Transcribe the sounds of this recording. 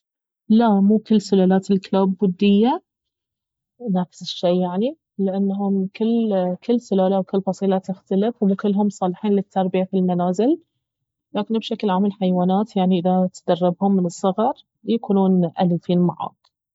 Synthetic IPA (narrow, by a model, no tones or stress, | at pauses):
lamuːkɪlːsʊlaːlaːt̪ɪlklaːbːʊd̪ːɪjːa | naːfsɪ̥ʃːeːjaʕni | lɪʔanːɦʊmkɪlːkɪlːsʊlaːlawkɪlːfɑsˤiːlat̪ɪxt̪alɪfɪkɪlːɦʊmsˤɑːlɪħiːnlɪt̪ʰːɑɾˤbɪjafilmanaːzɪl | laːkɪnbʃaklʕamalħajwaːnaːt̪jaʕniʔɪðat̪d̪ɑrˤːɪbhʊmːɪnɨsˤːɑɣɑɾˤ | jakuːnuːnʔalifiːnma̰ʕɑ̰ːd̪ˤ